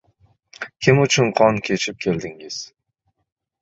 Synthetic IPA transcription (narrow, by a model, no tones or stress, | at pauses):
kʲʰɪmʊt͡ʃʰʊnqʰɒnkʲʰe̞t͡ʃʰɪp̚kʲʰe̞ld̪ɪŋɪz̥